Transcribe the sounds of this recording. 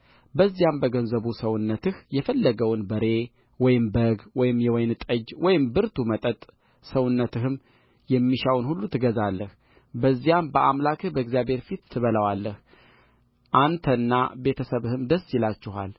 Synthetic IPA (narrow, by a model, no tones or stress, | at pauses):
bəzːijambəɡənzəβusəwʊnːət̪ɨhjɛfəlːəɡəwnbəɾe̞ | wɔjɪmbəɡwɔjɪmjɛwɔjnt̪ʼəd͡ʒwʔɔjɪmbɨɾt̪ʰumət̪ʼət̪ʼ | səwʊnːət̪ɨhɨm | jɛmːiʃawnhulːut̪ʰɨɡəzalːəh | bəzːijambəʔamlakʰɨhbəɛɡzijabhe̞ɾfit̪ːʰɨβələwalːəh | ʔant̪ʰənːa̰be̞t̪ʰəsəβɨhɨmd̪əsːjɪlat͡ʃːɪɦa̰l